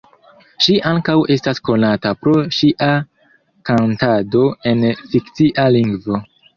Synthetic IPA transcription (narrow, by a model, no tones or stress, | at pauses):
ʃiʔaŋkawe̞stasko̞natapɾo̞ʃiʔa | kantado̞e̞nfikt͡siʔaliŋɡvo̞